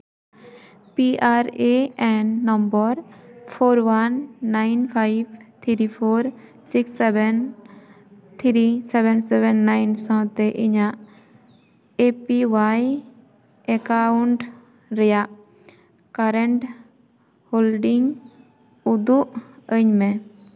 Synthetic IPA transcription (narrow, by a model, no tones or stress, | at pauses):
piaɾeɛ̃nːɔmbɔɾpʰoɾwanːajnpʰajbt̪ʰiɾipʰoɾ | siksɛbɛn | t̪ʰiɾisɛbɛnsɛbɛnːajnsãt̪eʔiɲãʔ | epiʋaj | ekauɳɖ | ɾəjaʔ | kaɾeɳʈ | hoːlɖiŋɡ | ud̪uʔəɲmẽ